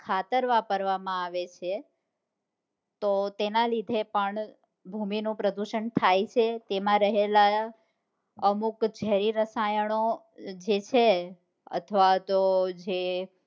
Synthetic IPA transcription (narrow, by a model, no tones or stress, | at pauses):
kʰat̪əɾʋapəɾʋamãaʋet͡ʃʰe | t̪ot̪enalid̪ʱepəɳ | bʱuminũpɾəd̪uʃənt̪ʰajt͡ʃʰet̪emãɾəɦela | əmukd͡ʒɛɾiɾəsajəɳ̃o | d͡ʒet͡ʃʰe | ə̰t̪ʰəʋat̪od͡ʒe